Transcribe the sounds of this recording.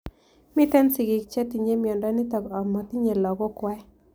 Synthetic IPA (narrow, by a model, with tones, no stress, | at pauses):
mɪ˦t̪ɛ˦nsɪ˨ɡɪ˨k̚t͡ʃɛ˦t̪i˨ɲe˦mjɔ˨ndɔ˦nɪ˦t̪ɔ˨kɔ˨mɔ˨t̪i˦ɲe˨lɔ˨ɡɔ˦kwɛ˦